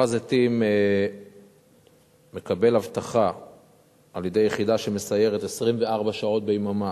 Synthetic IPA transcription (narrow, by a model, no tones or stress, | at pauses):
azat̪ime | e̞kabe̞lavt̪aχa | aljed̪e̞jːeχidaʃeme̞saje̞ʁet̪esʁimveaʁbaʃao̞t̪̚bejmama